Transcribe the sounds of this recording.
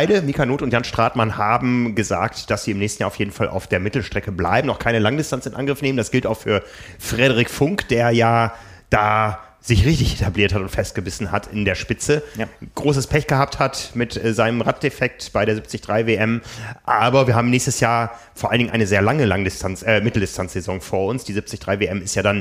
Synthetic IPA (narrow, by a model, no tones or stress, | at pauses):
aɪdəmiːkanoːtʊntjanʃtʁ̥aːtmanhaːbm̩ɡəza̰ːk̚td̥asz̥iːɪmnɛːçstn̩jaːɐʊjeːdn̩falʔa̰ʊfd̥eːɐmɪtl̩ʃtʁ̥ɛkəbla̰ɪbm̩nɔχkʰaɪnəlaŋdɪstʰant͡sɪnʔa̰nɡʁɪfneːməndasɡ̥ɪltaʊxfyːɐ | fʁ̥ɛɾəʁɪkfʊŋkd̥eːɐjaː | d̥aː | z̥ɪçʁɪçtɪçʔetʰabliːɐthatʊntfɛst̚ɡ̥əbɪsn̩hatʰɪ̰ndeːɐʃpɪt͡səɡ̥ʁoːs̬əspʰɛçɡ̥əhaːp̚thatmɪtːzaɪnəmʁat̚d̥efɛk̚tb̥aɪɾeːɐzɪp̚t͡sɪçd̥ʁaɪveʔɛmʔaːbɐviːɐhaːbm̩nɛːçstəsjaːɐ | foːɐʔalndɪŋnʔaɪnəzeːɐlaŋəlaŋdɪstʰant͡sɛmɪtl̩dɪstʰant͡sz̥ezɔŋfoːɐʊnsd̥iːzɪp̚t͡sɪçd̥ʁaɪveʔɛmɪstjaːdan